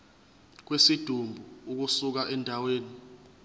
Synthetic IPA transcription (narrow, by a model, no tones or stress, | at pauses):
k̬wesid̥ʱumbʱuuk̬usuk̬aʔɛndʱaweːni